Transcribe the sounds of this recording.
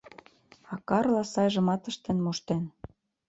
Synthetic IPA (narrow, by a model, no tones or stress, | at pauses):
ɑkɑrlɑsɑjʒə̆mɑt̪ə̆ʃt̪enmoʃt̪en